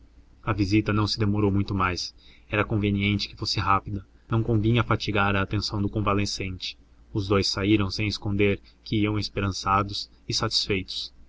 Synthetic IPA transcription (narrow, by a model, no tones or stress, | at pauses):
ɐvizit̪ɐnɐ̃w̃sɪd̪emoɾowmũj̃t̪ʊmajs | ɛɾɐkõveniẽnt͡ʃɪ̥kɪ̥fosɪɦapid̪ɐ | nɐ̃w̃kõvĩɲɐfat͡ʃiɡaɾɐːt̪ẽsɐ̃w̃d̪ʊkõvalesẽnt͡ʃɪ̥ | ʊzd̪ojsaiɾɐ̃w̃sẽj̃ɪskõnd̪eɾ | kɪiɐ̃w̃espeɾɐ̃sad̪ʊs | ɪsat͡ʃi̥sfejt̪ʊ̥s